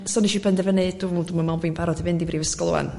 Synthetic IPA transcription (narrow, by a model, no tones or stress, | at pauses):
sɔniʃibɛndɛvəned̥uduməmaviːnpʰaɾɔdivɪndibriːvəskɔlˠṵa̰n